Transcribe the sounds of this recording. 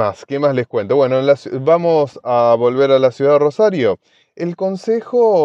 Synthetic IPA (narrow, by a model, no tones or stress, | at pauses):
askemazleskwent̪oβwe̞noenlasbamosaβo̞lβeɾalasjuðaðrosaɾjo | elkonsexo